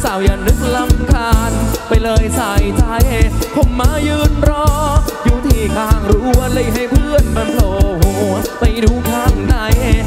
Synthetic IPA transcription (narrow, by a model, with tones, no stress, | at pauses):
saː˨˩wja˨˩ŋnɯ˦˥k̚la˧mkʰaː˧npa˧jlɤː˧jsa˨˩jt͡ɕa˧˩jhe˧˩kʰo˧˩mmːaː˧˥jɯː˧nɾɔː˧˥juː˧˩t̪ʰiː˧˩kʰaː˧˩ŋɾuː˦˥˧lɯː˧˩jɦa˥˩jpʰɯ˧˥˩ənmaː˧˩nt̪ʰoː˨˩hu˧˩pa˧jduː˧˦kʰaː˧˥˩ŋda˧˩jh